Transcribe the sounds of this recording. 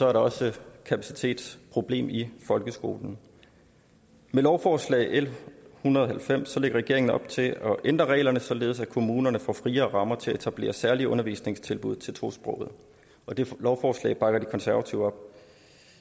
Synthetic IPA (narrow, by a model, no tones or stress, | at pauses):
sɒ̽æɐɾɑ̈ɒ̽səkʰæpʰæsi̥t͡sʰe̝̰ːd̥spʰʁo̝b̥le̝̰ːmifɒ̽lɡ̥əsɡ̥o̝̰ːln̩ | melɒʊfɒːslɛ̰ɪʔel̰hunɐð̞ˠɒɦhælfem̰sːɒ̽le̝ɡ̥ɐʁɛɡ̥e̝ɐeŋn̩ɒ̽b̥̚t͡sʰe̝ɒ̽ʔend̥ʁɐʁɛ̰ɪlɐnəsɒ̽le̝ːð̞̩ˠsækʰo̝muːnɐnəfɒ̰ːfʁiːɐːʁɑ̈mɐt͡sʰe̝læe̝t͡sʰæb̥le̝̰ːɐsæɐliɔ̽nɐʋḭːsne̝ŋst͡sʰe̝lb̥uð̞̰ˠt͡sʰe̝lt͡sʰʁo̝̰ːsb̥ʁɔ̽ʊ̰ð̞̩ˠ | ɒ̽d̥e̝lɒʊfɒːslɛ̰ːɪb̥ɑ̈ɡ̥ɐd̥ikʰɒ̽nsæɐʋæt͡sʰiʊ̰ɒ̽b̥̚